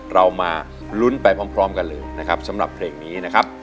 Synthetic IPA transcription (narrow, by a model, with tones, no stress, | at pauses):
ɾa˧wmaː˧ | lu˦˥npa˧jpʰɔː˥mpʰɾɔː˦˥mka˧nlɤː˧jna˦˥kʰa˦˥p̚sa˦˥mɾa˨˩pʰleː˧ŋniː˦˥na˦˥kʰa˦˥p̚